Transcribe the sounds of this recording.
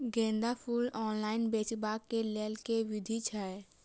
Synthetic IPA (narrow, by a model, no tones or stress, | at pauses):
ɡẽːnd̪apʰuːlɔːnlaːɪnbeːt͡ʃbaːkːeleːlkeʋɪd̪ʱit͡ʃʰɛ